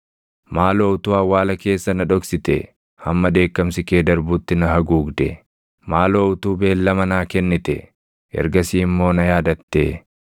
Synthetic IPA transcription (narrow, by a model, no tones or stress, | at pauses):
maːloːʊt̪uːɐwːaːlɐke̞ːsːɐnɐᶑɔksɪt̪ɛ̰ | hɐmːɐd̪e̞ːkːɐmsɪke̞ːd̪ɐɾbuːt̪ːɪnɐɦɐɡuːɡd̪ɛ̰ | maːloːʊt̪uːbe̞ːlːɐmɐnaːkɛnːɪt̪ɛ̰ | ɛ̰ɾɡɐsiːmːo̞ːnɐjaːd̪ɐt̪ːḛː